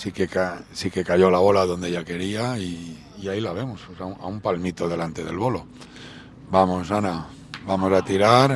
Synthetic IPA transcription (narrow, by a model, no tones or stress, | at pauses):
sikekasike̞kajo̞laβo̞laðo̞nd̪eʝake̞ɾiaiː | ailaβ̞e̞mososaua̰umpalmit̪o̞ðe̞lant̪e̞ðe̞̰lβo̞lo̞ | bamosana | bamo̞sat̪iɾaɾ